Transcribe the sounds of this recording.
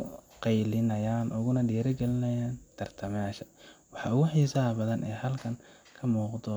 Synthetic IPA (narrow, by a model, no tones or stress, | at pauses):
qɑjlɪnɐjaːnʔʊɣʊnɐɖiːɾɐɡɛlɪnɐjaːnt̪ʰɐrt̪ʰɐmaːʃɐwɑħɑːʊɣʊħisaːbɐðɐnʔɛːjhɐlkʰɐŋ | kʰɐmuːqd̪ɔ